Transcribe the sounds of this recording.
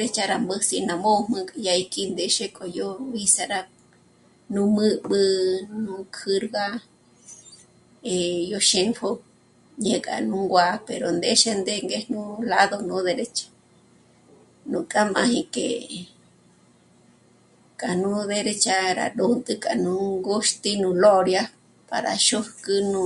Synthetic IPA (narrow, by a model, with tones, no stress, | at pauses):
ɾe˦t͡ʃa˧ɾa˧mbə˦si˧nã˧mo˦˧mɨ̃˧kʼa˧ja˧i˧kʼi˦nd̪e˧ʃe˦kʼo˨jo˦βi˦sa˧ɾa˧ | nũ˦mɨ˦ɓɨ˧nũ˧˦kʰɨ˧ɾɣa˦ | e˨jo˧ʃe˧ŋfo˦ | ɲẽ˧kʼa̰˨nũ˧˦ŋɡʷa˧pe˨ɾo˨nd̪e˦ʃe˦nd̪e˧ŋɡe˧hnũ˦la˦ðo˧nũ˧˦ðe˧ɾe˦t͡ʃḁ˦ | nũ˧kʼa˦mã̰˧hĩ˧kḛ˨ | kʼa˨nũ˦ðe˧ɾe˦˧t͡ʃa˧ɾa̰˧ɗo˧nt̪ʼɨ˦kʼa˨nũ˧˦ŋɡo˦ʃt̪i˦nũ˧lo˦ɾja˦ | pa̰˨ɾa̰˨ʃo˦hkɨ˧nũ˧